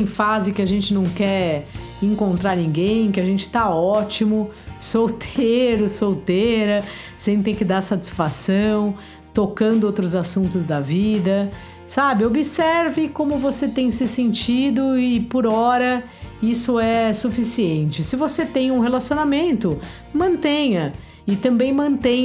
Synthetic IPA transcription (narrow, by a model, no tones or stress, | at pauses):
ẽj̃fazɪkɪaʒẽnt͡ʃɪnɐ̃w̃kɛɾ | ẽŋkõnt̪ɾaɾnĩɡẽj̃kɪaʒẽnt͡ʃɪ̥t̪aɔt͡ʃimʊsowt̪ʰeɾʊsowt̪eɾɐ | sẽt̪ẽj̃kɪd̪aɾsat͡ʃi̥sfasɐ̃w̃ | t̪okɐ̃nd̪ʊowt̪̬ɾʊzasũnt̪ʊzd̪ɐvid̪ɐ | sabɪobɪsɛɾvɪkõmʊvoset̪ẽj̃sɪsẽnt͡ʃid̪ʊɪpoɾɔɾɐ | isʊɛsufisiẽnt͡ʃɪsɪvoset̪ẽj̃ũɦelasionamẽnt̪ʊ | mɐ̃nt̪ẽjɐ | ɪt̪ɐ̃mbẽj̃mɐ̃nt̪ẽj̃